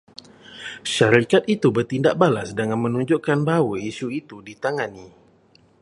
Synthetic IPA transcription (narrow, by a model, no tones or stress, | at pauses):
ʃaɾikat̪̚it̪ubərt̪indaʔ̚balasdəŋanmə̃nũɲd͡ʒuʔkanbawəisuit̪udit̪aŋani